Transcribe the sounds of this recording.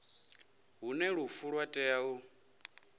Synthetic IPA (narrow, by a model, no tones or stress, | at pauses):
ɦunɛɺufuɺwatʼɛau